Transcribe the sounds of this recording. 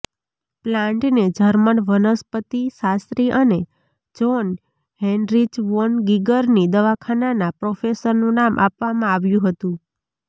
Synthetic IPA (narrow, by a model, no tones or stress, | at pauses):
plãɳʈned͡ʒʱəɾməɳʋənəspət̪isast̪ɾiʔəne | d͡ʒon | ɦenɾid͡ʒʋonɡiɡəɾnid̪əʋakʰananapɾɔfesəɾnũnamʔa̰pʋamãaʋjũɦət̪ũ